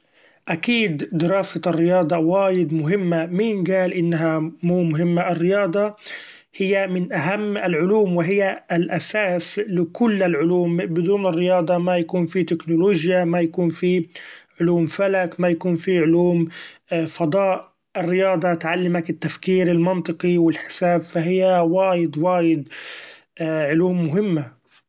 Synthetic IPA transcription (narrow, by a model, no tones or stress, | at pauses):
ʔakiːd̪ːɪɾɑːsarːɪjɑːd̪ˤɑwaːjɪd̪mʊɦɪmːamiːnɡaːlʔɪnːɦamuːmʊɦɪmːaʔɪrːɪjɑːd̪ˤɑ | hɪjːamɪnʔaɦamːɪlʕʊluːmwɪɦɪjːalʔasaːslɪkʊlːalʕʊluːmbɪd̪uːnɪrːɪjɑːd̪ˤɑmajakuːnfit̪ɪknʊloːʒjamajakuːnfiʕʊluːmfalakmajakuːnfiʕʊluːmfɑd̪ˤɑːʔ | ɪrːɪjɑːd̪ˤɑt̪ʕalːɪmakɪt̪ːafkiːɾɪlmɑnt̪ˤɨqiwɪlħɪ̥saːbfaɦɪjːawaːjɪd̪waːjɪd̪ | ʔʕʊluːmːʊɦɪmːa